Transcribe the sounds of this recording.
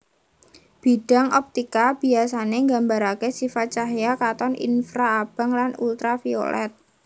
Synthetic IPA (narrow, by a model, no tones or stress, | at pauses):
b̥i̤ɖ̥a̤ŋʔɔp̚t̪ikab̥i̤as̬aneŋɡambaɾakesifat̪̚t͡ʃaɦjakat̪ɔnḭnfɾaːb̥a̤ŋlanṵlt̪ɾafio̰lʔɛ̰t̪̚